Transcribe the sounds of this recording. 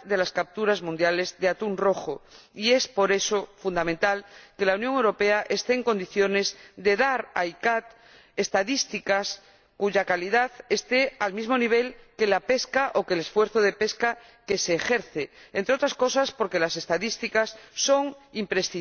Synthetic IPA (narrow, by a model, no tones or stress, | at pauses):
ðe̞laskap̚t̪uɾazmũnd̪jale̞zðeat̪unro̞xoie̞spo̞ɾe̞sofund̪amẽnt̪alke̞launjoŋe̞wɾo̞peaʔest̪eːŋko̞nd̪iθjo̞ne̞zd̪e̞ðaɾajkat̪ | e̞st̪aðist̪ikas | kuʝakalið̞aðe̞st̪e̞almizmo̞niβ̞e̞lke̞lape̞skaʔo̞kele̞sfwe̞ɾθoð̞e̞pe̞ska | ke̞seːxe̞ɾθeent̪ɾeo̞t̪ɾasko̞saspo̞ɾke̞lase̞st̪aðist̪ikasːo̞ŋimpɾest̪i